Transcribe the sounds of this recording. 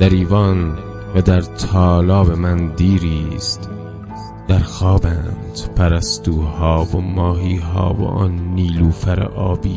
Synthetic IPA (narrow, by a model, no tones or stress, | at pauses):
d̪̥æɾiːvɒːn | væd̪æɾt̪ʰɒːlɒːbe̞mænd̪iːɾiːst̪ | d̪̥æɾxɒːbænd̪̥pʰæɾæst̪uːhɒːvomɒːɦiːɦɒ̰ːvo̰ʔɒ̰ːnːiːluːfæɾḛʔɒːbiː